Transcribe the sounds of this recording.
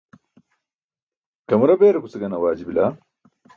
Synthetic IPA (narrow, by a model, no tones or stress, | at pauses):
kɐmɾɐbeːɾɐkust͡sɐɡɐnɐwaːd͡ʑibilaː